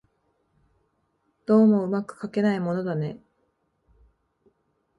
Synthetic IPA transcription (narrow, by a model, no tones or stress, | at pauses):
d̪̥o̞ːmo̞ɯ̟makɯ̟̥kake̞naimo̞no̞d̪ane̞